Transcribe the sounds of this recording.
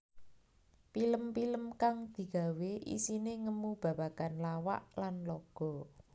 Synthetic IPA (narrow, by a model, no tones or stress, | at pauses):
piləmpiləmkaŋd̪̥i̤ɡ̥ä̤weʔḭsineŋəmub̥a̤b̥a̤kanlawa̰ʔlanlɔɡ̥ɔ̤